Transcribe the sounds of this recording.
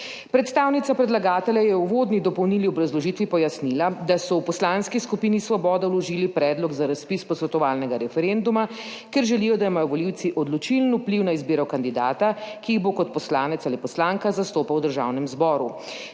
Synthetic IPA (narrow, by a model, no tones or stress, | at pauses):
pɾɛt̪st̪aːwnit̪sapɾɛd̪laɡaːt̪ɛljajɛuʋod̪nid̪ɔpɔwniliɔbɾazlɔʒiːt̪ʋipɔjasnilad̪asɔwpɔslaːnskiskupiːnisʋɔbɔːd̪awlɔʒilipɾɛːd̪lɔɡzaɾaspispɔsʋɛt̪ɔʋaːlnɛɡaɾɛfɛɾend̪umakɛɾʒɛlijɔd̪aimajɔʋɔliwt̪siʔɔd̪lɔt͡ʃilnupliwnaizbiːɾɐwkand̪id̪aːt̪akiːɣbokɔt̪pɔslaːnɛt̪salipɔslaːŋkazast̪oːpawd̪əɾʒa̰ːwnɛmzbɔːɾu